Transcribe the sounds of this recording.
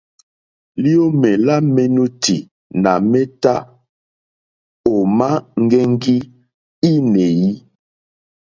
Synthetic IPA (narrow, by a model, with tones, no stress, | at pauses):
li˦o˦mɛ˨la˦mɛ˦nu˦ti˨ | na˨mɛ˦ta˦ | o˨ma˦ŋ̩˦ɡɛ˦ŋ˦ɡi˦ | i˦ne˨ji˦